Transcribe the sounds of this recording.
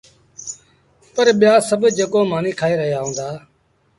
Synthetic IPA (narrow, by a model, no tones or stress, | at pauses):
pəɾɓɪjaːsəbʱd͡ʒekoːmaːniːkʰaːeːɾəɦɪjaːɦõːnd̪aː